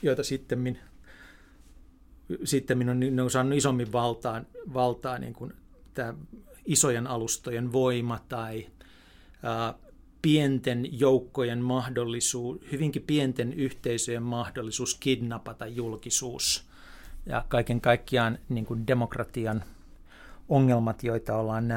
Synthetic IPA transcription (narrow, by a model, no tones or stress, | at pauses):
joit̪ɑsit̪ːemmin | sit̪ːemminonnineosɑːnːuisomːiʋʋɑlt̪ɑːnʋɑlt̪ɑːnḭːŋkun | t̪æːisojenɑlust̪ojenʋoimɑt̪ɑi | ɑː | pient̪enjoukːojenmɑhdolːisuːhyʋiŋkipient̪enyht̪eisøjemmɑhdolːisuːskidnɑpɑt̪ɑjjulkisuːs | jɑ̰kɑikeŋkɑikːiɑːnniːŋkundemokrɑt̪iɑn | oŋːelmɑt̪joit̪ɑolːɑːnnæ